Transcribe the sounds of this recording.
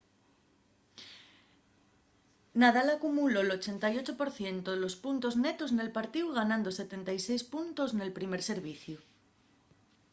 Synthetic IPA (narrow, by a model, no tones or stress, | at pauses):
naðalakumulo̞elo̞t͡ʃe̞nt̪ajo̞t͡ʃopo̞ɾθje̞nt̪oðelo̞spunt̪o̞zne̞t̪o̞zne̞lpaɾt̪iwɣanãnd̪o̞se̞t̪e̞nt̪ajse̞jspunt̪o̞zne̞lpɾime̞ɾse̞ɾβ̞iθju